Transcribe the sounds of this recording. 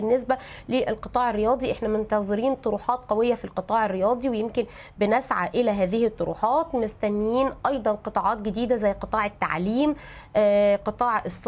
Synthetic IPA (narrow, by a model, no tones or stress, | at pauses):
nːesbæleʔælqɨt̪ˤɑːʕerːejɑːd̪ˤiʔeħnæmont̪ɑzˤɨɾiːnt̪ˤoɾuːħɑːt̪̚qæwejːæfilqɨt̪ˤɑːʕɪrːejɑːd̪ˤiwejemkɪn | bɪnæsʕaʔɪlæɦæːðɪhit̪ˤːoɾṵːħɑːt̪mɪst̪ænːiːnʔɑjd̪ˤɑnqɨt̪ˤɑːʕɑːt̪̚ɡed̪iːd̪æzæjːqɨt̪ˤɑːʕɪt̪ːa̰ʕliːmʔqɨt̪ˤɑːʕes